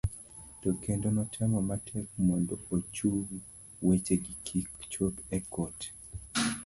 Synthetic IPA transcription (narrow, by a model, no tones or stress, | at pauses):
tokendonɔtʰɛmɔmatʰɛk̚mɔndɔot͡ʃu | wet͡ʃeɡikʰikt͡ʃopɛkʰɔt